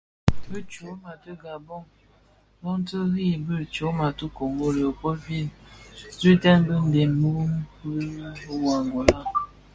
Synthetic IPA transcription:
bə˦t͡ʃo˨˦ma˨tə˦ɡa˨bɔ˦ŋ | lɔ˦n˦tə˦ɣi˦˨bɨ˦˨ɾt͡ʃo˨˦ma˨tu˦ko˨ŋɡo˦ɾi˨o˨po˦vi˦˨nzi˦tɛ˦nbə˦n̩˦de˨nmu˦m˦ku˦o˦wa˨ŋo˨la˦˨

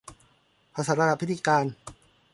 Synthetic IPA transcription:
pʰa˧sa˨˦˥ɾa˧a˧˩pʰi˦t̪ːʰiː˧kaː˧n

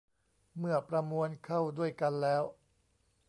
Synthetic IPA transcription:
mɯ˥˩ɐpɾa˧mu˧ənkʰa˥˩wdu˥˩əjka˧nlɛː˦˥w

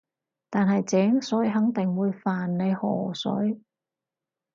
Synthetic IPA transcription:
t̪aː˨nɦɐ˨jt͡sɛː˨˥ŋsɵ˨˥jɦɐ˨˥ŋt̪ɪ˨ŋwuː˨˧jfaː˨nːe˨˧jhɔ̰ː˨˩sɵ̰˨˥j

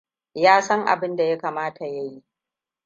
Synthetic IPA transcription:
jaː˦sɐ˦ŋʔa̰˨bɪ˦nda˨ja˦kaː˨maː˦tʰa˨jɐ˦ji˦

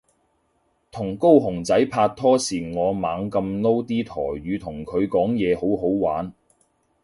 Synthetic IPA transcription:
t̪ʰʊ˨˩ŋko˥wɦʊ˨˩ŋt͡sɐ˨˥jpʰaː˧t̚t̪ʰɔː˥siː˨˩ŋɔː˨˧maː˨˧ŋkɐ˧mno˥wt̪iː˥t̪ʰɔ̰ː˨˩jɥyː˨˧t̪ʰʊ˨˩ŋkʰɵ˨˧ɥkɔː˨˥ŋjɛː˨˧ho˨˥wɦo˨˥wwaː˨˥n

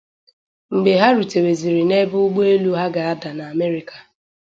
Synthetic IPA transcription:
ŋ͡m̩˨ɡ͡be˨ɦa˦ɾu˨te˨we˨zi˨ɾi˨ne˦bʊ˦ɡ͡bo˦e˦lu˦ɦa˦ɡa˨a˦da˨na˨a˨me˦ɾi˦ka˨

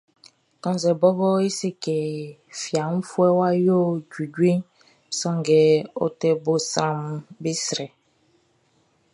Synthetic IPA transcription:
kɔ̃˨n˨zɛ˨bɔ˦bɔ˦i˦se˦kɛ˨ | fi˨a˨m̩˦fu˦ɛ˦wa˦jo˦d͡ʒu˨ɟwe˦ | sɔ̃˦ŋɡɛ˨ɔ̰˦tɛ˦bo˦sɾã˨mbi˦sɾɛ˨

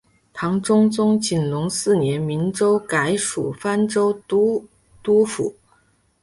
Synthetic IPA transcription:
t̪ʰɑ˧˥ŋʈ͡ʂʊ˥ŋt͡sʊ˥ŋt͡ɕi˨˩nlʊ˧˥ŋsɹ̩˥˩njɛ˧˥nmi˧˥nʈ͡ʂo˥ʊka˧˥ɪʂṵ˨˩fa˥nʈ͡ʂo˥ʊ˥ | t̪u˥fṵ˨˩˦

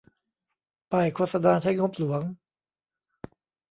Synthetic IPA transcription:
pa˨˩jkʰoː˧t̪̚sa˧naː˧t̪ʰa˥˩ŋo˦˥p̚lu˩˦ɐŋ

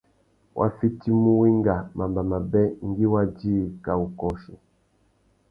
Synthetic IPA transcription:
wʔa̰˦fi˦ti˦mu˦wi˦ŋ˦ɡa˨mʔa˨mba˨ma˨bɛ˦ŋ̩˦ɡi˦wa˦d͡ʒiː˦˨ka˨u˨kɔ˨ʃɔ˨

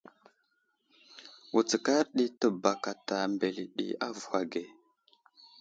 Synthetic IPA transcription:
u˨t͡sə˨ka˦ɾɗi˦tə˨ba˨ka˨ta˨mbe˨li˨ɗḭ˨a̰˦vu˨xa˨ɡe˨

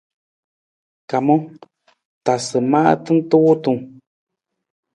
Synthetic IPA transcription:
ka˨mɔ̃˦ | t̪a˨sə˨ma̰˦ʔt̪ɨ˦n̩˦t̪u˦t̪ũ˨

